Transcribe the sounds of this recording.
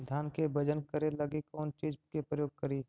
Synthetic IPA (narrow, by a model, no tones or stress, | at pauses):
d̪ʱjaːnkebəd͡ʒənkəɾelɐɡikɔːnt͡ʃiːd͡ʒkepɾəjoːɡ̚kəɾiː